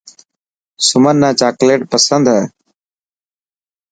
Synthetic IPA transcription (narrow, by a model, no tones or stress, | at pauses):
sʊmənːãːt͡ʃaːkleːʈpəsənd̪ɦɛː